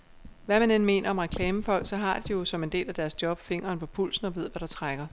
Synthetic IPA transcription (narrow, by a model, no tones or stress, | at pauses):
ʋæmænenme̝̰ːnʔɐɒ̽mʁɛkʰlɛːməfɒ̽l̰ɡ̥sɒ̽ɦɑ̈d̥ijo̝sɒ̽me̝nd̥e̝̰ːlæd̥æɐsd̥jɒ̽b̥fe̝ŋɐːnpʰɒ̽pʰul̰sn̩ɒ̽ʋe̝ð̰ˠʋæɾ̥ɑ̈t͡sʰʁaɡ̥ɐ